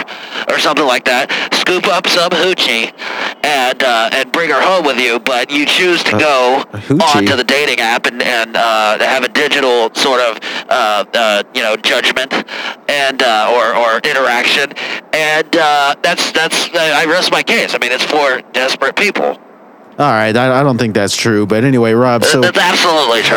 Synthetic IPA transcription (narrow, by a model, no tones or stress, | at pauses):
ʔə˞sʌ̃mθɪ̃ŋlaɪk̚ðæt̚skʉpʌpsʌ̃mɦʉt͡ʃi | ɨ̃nʌɨ̃nbɹɪ̃ŋə˞hõʊ̃mwɨðjʉbʌt͡ʃɨt͡ʃʰʉz̥tʰɨɡoʊhə̃ntʰɨðɨdeɪɾɪ̃ŋæpɨ̃nɨ̃nʌɨvɨdɪd͡ʒɨɾl̩ˠsɔɹɾʌv̥ʔʌʌjɨnoʊd͡ʒʌd͡ʒmɨ̃ntɨ̃nʌə˞ə˞ʔɪ̃ɾ̃ə˞ækʃɨ̃nɨ̃nʌðætsðætsaɪaɪɹɛst̚maɪkʰeɪsaɪmĩnɨtsfə˞d̥ɛspɹɨt̚pʰipʰl̩ˠ | ʔɔlˠɹaɪtaɪaɪɾõʊ̃nθɪ̃ŋk̚ðætstʰɹ̥ʉbʌɾɛniweɪɹɑb̥soʊætsæb̥səlutˡlitʰɹ̥